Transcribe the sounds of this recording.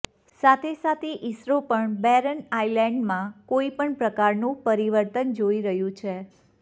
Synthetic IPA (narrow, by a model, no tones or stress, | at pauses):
sat̪ʰesat̪ʰeʔisɾopəɳbɛɾənailɛ̃ɳɖmãkoipəɳpɾəkaɾnũpəɾiʋəɾt̪ənd͡ʒoiɾəɦjũt͡ʃʰe